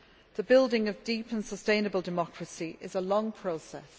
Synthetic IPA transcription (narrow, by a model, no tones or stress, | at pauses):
ðəbɪlˠdɪ̃ŋəvdiˑpʰə̃nsəstẽɪ̃nəbəlˠdɪmɒkʰɹəsiʔɪzəlɒ̃ŋpʰɹ̥oʊsɛ̰s